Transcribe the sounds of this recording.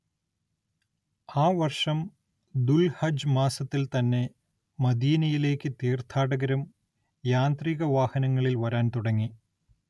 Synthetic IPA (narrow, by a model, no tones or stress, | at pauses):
aːʋɐrʂɐm | d̪ulhɐd͡ʑmaːsɐt̪ːilt̪ɐnːe̞ | mɐd̪iːnɐjile̞ːkːɨt̪iːrt̪ʰaːɽɐɣɐɾɐm | jaːnt̪riːɣɐʋaːhɐnɐŋːɐɭilʋɐɾaːnt̪uɽɐŋːi